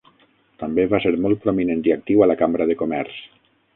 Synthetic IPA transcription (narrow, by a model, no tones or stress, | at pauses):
t̪ambeβaseɾmɔlˠt̪̚pɾominent̪iak̚t̪iwalakamɾəðekomɛɾs